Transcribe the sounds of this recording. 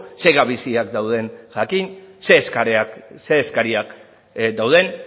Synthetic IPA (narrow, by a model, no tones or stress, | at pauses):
se̞ɣaβisiakd̪awð̞e̞nʝakinse̞ːskaɾase̞ːskaɾiak | d̪awðe̞n